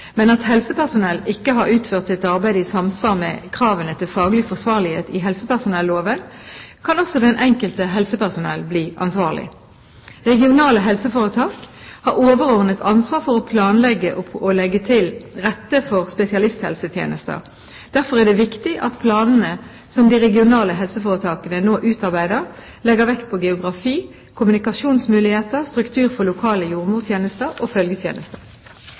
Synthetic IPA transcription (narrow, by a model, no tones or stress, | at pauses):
mɛnɑt̪hɛlsəpʰæʁsʊnɛlːɪkːəɦɑɾʉːt̪fœʁt̪sɪt̪ɑʁbæɪd̪əɪsɑmsʋɑːʁmɛ̰kʰʁɑːʋənət̪ʰɪlfɑːɡlɪfɔʁsʋɑːʁlɪheːt̪ɪɦɛlsəpæʁsʊnɛlːoːʋənkʰɑnɔsɔd̪ɛnʔɛŋkəlt̪əɦɛlsəpæʁsʊnɛ̰lbliːʔɑ̰nsʋɑːʁlɪ̰ | ʁɛɡɪʊnɑːləɦɛlsəfoːʁət̪ʰɑːkhɑʁoːʋəʁɔʁnət̪ʰɑnsʋɑːʁfɔʁɔpʰlɑːnlɛɡəʔɔɔlɛɡːət̪ʰɪlʁɛt̪ːəfɔʁspɛsɪɑlɪst̪hɛ̰lsət̪ʰjḛːnəst̪ə̰ʁ | d̪̥æʁfɔʁɛd̪ɛʋɪkt̪ɪʔɑt̪pʰlɑːnn̩ə | sɔmd̪ɪʁɛɡɪʊnɑːləɦɛlsəfoːʁət̪ʰɑːkənənoːʔʉːt̪ɑʁbæɪd̪əʁ | lɛɡəʁʋɛkt̪̚pʰɔɡɛʊɡʁɑfiː | kʰʊmʉnɪkɑʂuːnsmʉːlɪheːt̪əʁst̪ʁʉkt̪ʰʉːʁfɔʁlʊkʰɑːləjuːʁmuːt̪ʰjeːnəst̪əʁofœlɡət̪ʰjḛːnəst̪ə